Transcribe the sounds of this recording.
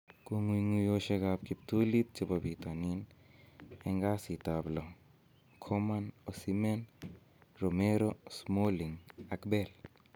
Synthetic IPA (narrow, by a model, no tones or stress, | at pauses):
koŋwiŋujoʃeɡap̚kip̚t̪ulit̪̚t͡ʃebabit̪anin | ɛŋɡasit̪ablo | kʰɔmanosimen | ɾomeɾosmoliŋakbɛl